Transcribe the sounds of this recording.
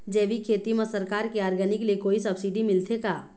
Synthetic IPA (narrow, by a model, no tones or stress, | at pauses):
d͡ʒɛːʋikʰeːt̪imasəɾkaːɾkeaːɾɡənɪkliekoːisɐbsɪɖimɪlt̪ekaː